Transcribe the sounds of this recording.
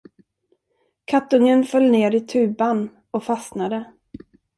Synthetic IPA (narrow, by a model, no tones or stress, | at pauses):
kʰat̪ːɵŋənfœlːneːɾɪt̪ʰʉ̟ːban | ɔfasnad̪ə